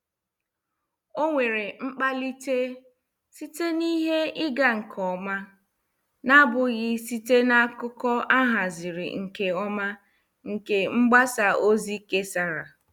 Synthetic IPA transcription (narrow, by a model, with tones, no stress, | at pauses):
o˦ŋʷe˨ɾe˨ŋ͡m̩˦k͡pa˦li˦te˦ | si˦te˦ni˦ɦe˦ɪ˦ɡa˦ŋ̩˨kʰɔ˦ma˦ | na˦bʊ˨ɣɪ˦si˦te˦na˦kʊ˦kɔ˦a˦ɦa˨zɪ˨ɾɪ̰˨ŋ̩˨ke˨ɔ˦ma˦ | ŋ̩˨ke˨ŋ͡m̩˦ɡ͡ba˦sa˨ʔo˦zi˦ke˦sa˦ɾa˨